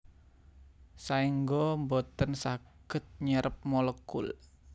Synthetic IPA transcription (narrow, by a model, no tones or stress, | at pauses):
saiŋɡombot̪ənsaɡ̥ə̤t̪̚ɲəɾʔəp̚mɔləkːʊ̰l